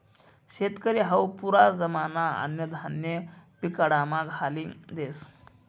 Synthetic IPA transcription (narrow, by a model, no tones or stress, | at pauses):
ɕet̪kəɾiːɦəwpuɾad͡zəmanaə̰njəd̪ʱanjəpikəɽamaɡʱalid̪es